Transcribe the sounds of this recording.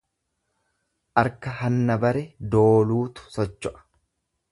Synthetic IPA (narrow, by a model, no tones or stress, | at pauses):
ʔɐɾkɐhɐnːɐbɐɾɛd̪o̞ːluːt̪ʊ̥sɔt͡ʃːɔʔɐ̥